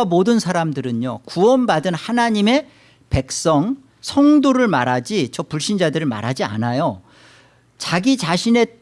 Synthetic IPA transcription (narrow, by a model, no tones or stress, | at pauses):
amodɯnsʰaɾamdɯɾɯɲokuʌnbadɯnhanaɲime̞ | pe̞k̚s͈ʌŋ | sʰʌŋdoɾɯɭmaɾad͡ʑit͡ɕʌpuɭɕ͈ʰind͡ʑadɯɾɯɭma̰ɾɦad͡ʑia̰najo | t͡ɕaɡit͡ɕaɕʰine̞